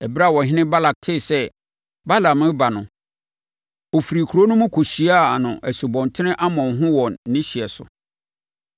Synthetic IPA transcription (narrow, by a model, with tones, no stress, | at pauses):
ɛ˨ba˦˨wɔ˨ɦɪ̃˦nɪ̃˦ba˦la˨k̚tʰɪ˦˨sɛ˦ | ba˦la˨mɪ̃˦ba˨nʊ̃˨ | ɔ˨fɾi˨kʰu˨ɾo˦nʊ̃˦mʊ̃˦kʰo˨ɕi˨a˦˨nʊ̃˨ʔæ˨su˨bɔ̃˨ntʰɪ˦nɪ̃˦ʔa˦mɔ̃˨nɦʊ̃˦wɔ̃˨nː˦ɪ̃˦ɕi˨ɛ˨sʊ̰˨